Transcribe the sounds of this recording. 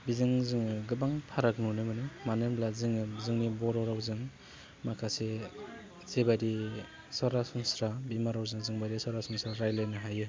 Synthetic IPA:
bizɯŋzɯŋɯɡɯbaŋpʰaɾak̚nunɯmɯnɯmanɯmblazɯŋɯzɯŋnibɔɾɔɾawzɯŋ | makʰase | zebaɾi | saɾasɯŋsɾabimaɾawzɯŋzɯŋbaɾisaɾasuŋsɾaɾajlajnɯɦajɯ

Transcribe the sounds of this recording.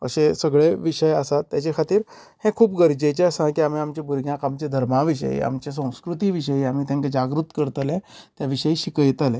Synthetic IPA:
ə̰ɕesəɡɭeʋiʂəjəsat̪ːjat͡ɕekʰat̪iːɾ | hẽkʰuːpɡəɾd͡ʑet͡ɕeasãkiam̤iamt͡ɕebʱuɾɡʱjãkamt͡ɕed̪ʱəɾmaʋiɕə̰j̰a̰mt͡ɕes̬ə̃w̃skɾut̪iːʋiɕəjiam̤iːt̪jãŋkad͡ʑaɡɾut̪kəɾt̪əlẽt̪jaʋiɕəiːɕikəjt̪alẽ

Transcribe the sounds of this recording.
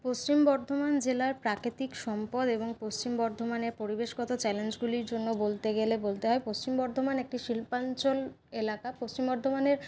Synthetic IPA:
post͡ɕimbɔɾd̪ʱomand͡ʑelaɾpɾakɾit̪ikʃɔmpɔd̪eboŋpost͡ɕimbɔɾd̪ʱomaneɾpoɾibeʃɡɔt̪ot͡ɕɛlend͡ʑɡuliɾd͡ʑonːobolt̪eɡelebolt̪eɦɔepost͡ɕimbɔɾd̪ʱomanek̚ʈiʃilpant͡ɕol | elakapost͡ɕimbɔɾd̪ʱomaneɾ

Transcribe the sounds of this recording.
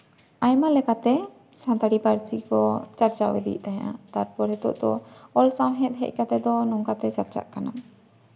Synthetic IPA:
ajmalɛkat̪ɛ | sãnt̪aɽipaɾt͡ʃikɔt͡ʃaɾt͡ʃawɛ̰d̪ḭʔt̪aɦa̰t̪aɾpɔɾɛt̪ɔ̰ʔd̪ɔɔlsawɦɛ̃t̪̚ɦɛ̰c̚ˀkat̪ɛd̪ɔnɔŋkat̪ɛsat̪̚t͡ʃa̰ʔkana

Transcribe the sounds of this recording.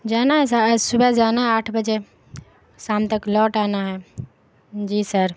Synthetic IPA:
d͡ʒaːnaɦɛsasubʱəd͡ʒaːnaɦɛaːʈʰbəd͡ʒe | saːmt̪əklɔːʈaːnaɦɛ | d͡ʒiːsəɾ

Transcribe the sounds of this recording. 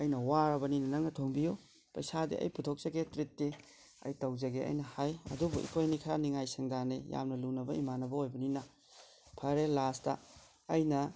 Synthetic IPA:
ɐjnɐwaɾɐbɐninɐnɐŋnɐtʰoŋbijo | pɐjsadḛʔɐ̰jputʰok̚z̥ɐɡetɾitːe | ɐ̰jtɐwzɐɡeɐ̰jnɐhajɐ̰dubuḭpʰojnikʰɐɾaniŋajsiŋdaneja̰mnɐlunɐbɐimanɐbɐojbɐninɐ | pʰɐɾelastɐ̰ː | jnɐ

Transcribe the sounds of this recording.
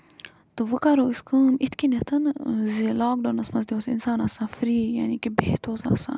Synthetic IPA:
t̪ɨʋɨkaɾoːiskəːmit̪ʰkinɐt̪ʰɐnzilaːkɖonɐsmɐzd̪ʲeoːsḭnsaːnasãːfɾiːja̰nikibeht̪ʰoːza̰ːsã̰ː

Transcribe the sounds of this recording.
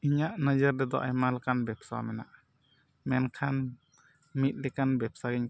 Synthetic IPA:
iɲaʔnad͡ʒaɾd̪ɛd̪ɔʔajmalkanbɛpsa̰mɛna̰ʔ | mɛnkʰan | mit̪̚ˀlɛkanbɛp̚saɡiɲ

